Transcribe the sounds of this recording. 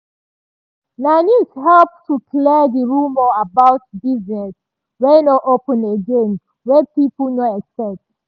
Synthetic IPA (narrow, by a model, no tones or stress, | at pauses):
nanisɦɛlptʰukʰlɛdiɹumɔabawt̚dizət | wɛnoʔopə̃neɡẽn | wɛpipulnɔɛksɛt